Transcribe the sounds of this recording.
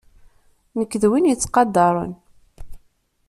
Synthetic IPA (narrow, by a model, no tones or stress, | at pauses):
nəkːðwinjət͡sːqɑd̪ːɑɾˤə̰n